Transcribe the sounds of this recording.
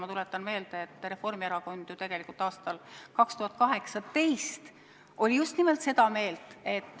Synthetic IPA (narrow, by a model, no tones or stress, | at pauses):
mɑt̪ulet̪ːˑɑnme̞ːld̪̥eːt̪ːre̞fo̞rmieɾɑko̞nd̪̥jut̪e̞ɡ̥elikult̪ˑɑːst̪ɑlkɑkst̪uhɑt̪̚ːˑkɑɦe̞ksɑt̪e̞jst̪ | o̞lʲijust̪nimelt̪se̞d̪ɑme̞ːlt̪ˑe̞t̪ːˑ